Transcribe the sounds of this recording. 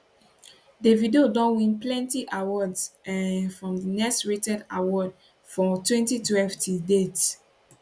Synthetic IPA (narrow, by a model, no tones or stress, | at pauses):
devideodɔ̃nwĩnplɛ̃ntiʔawɔdsãnfɹɔ̃mdənɛkstɹitɛ̃ndawɔd | fɔtwɛ̃ntitwɛlvtʰidet